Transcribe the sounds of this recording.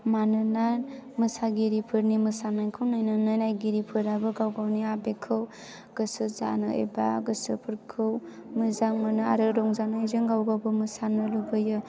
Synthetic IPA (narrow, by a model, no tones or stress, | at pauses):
manɯnamɯsaɡiɾipʰɯɾnimɯsanajkʰɯwnɯjnɯnɯjnajɡiɾipʰɯɾabɯɡawɡawniabekʰɯw | ɡ̥ɯsɯza̰nɯḛba̰ɡɯsɯpʰɯɾkʰɯw | mɯzaŋmanɯa̰ɾɯɾɔŋzanɯezɯŋɡawɡawbɯmɯsanɯlubɯjɯ